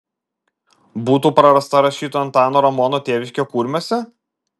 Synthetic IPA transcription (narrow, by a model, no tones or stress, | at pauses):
buːt̪uːpɾɐɾɐst̪ɐɾɐʃʲiːt̪oːɐnt̪ɑːnoːɾɐmɔnoːt̪ʲeːʋʲɪʃʲkʲoːkuːɾʲmʲoːsʲɛ